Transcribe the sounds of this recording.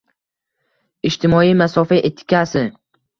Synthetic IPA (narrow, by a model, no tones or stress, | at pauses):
ɪt͡ʃt̪ʰɪmɒimasɒfaʔet̪ʰːɪ̥kʲasɪ